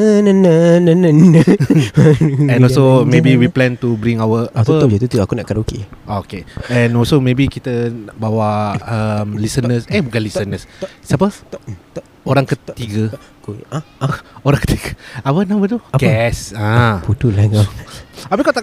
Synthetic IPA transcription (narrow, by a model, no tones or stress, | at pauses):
nənənənənə | ɛ̃nɔlsomebiwiplɛ̃nt̪ubɾĩŋawəatuət̪ət̪ut̪uakunaʔkadaokḛokeɛ̃nɔlsomebikit̪ənabawaəmlisənəsehbukãnlisənəssapə | oɾãŋkət̪iɡə | oɾãŋkə̥t̪iɡəawənãmbət̪uɡɛsãput̪ulaɡaabikɔt̪a